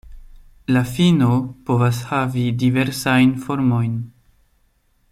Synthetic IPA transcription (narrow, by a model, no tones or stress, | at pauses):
lafinopo̞vas̬havidive̞ɾsajnfoɾmo̞jn